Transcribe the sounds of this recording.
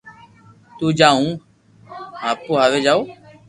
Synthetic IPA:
t̪uːd͡ʒaːɦũː | ɦaːpoːɦaːʋeːd͡ʒaːoː

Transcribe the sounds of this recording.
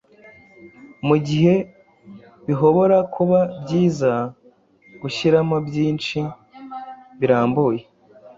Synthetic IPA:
muɟiɦe̞ | βiɦo̞βo̞ɾakʰuβabɟiːza | ɡ̥uʃiɾamabjiːnt͡ʃi | βiɾaːmbuːje

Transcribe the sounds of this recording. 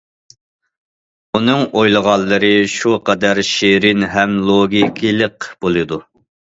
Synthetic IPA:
unɨŋojlˠəʁɑlˠːɨɾɨʃuqɑd̪æɾʃeɾɪnɦɛmlˠoɡʲikʲʰilˠəqb̥olˠɨd̪u

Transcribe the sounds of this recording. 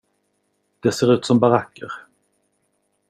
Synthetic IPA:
d̪̥ɛseːɾʉ̟ːt̪sɔmbaɾakːə̰ɾ

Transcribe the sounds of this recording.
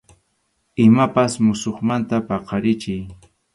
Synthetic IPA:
ɪmapasmʊsoχmant̪apɑqɑɾɪt͡ʃɪj

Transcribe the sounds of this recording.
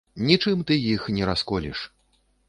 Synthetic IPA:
nʲit͡ʂɨmt̪ɨjixnʲɛɾaskɔlʲḭʂ

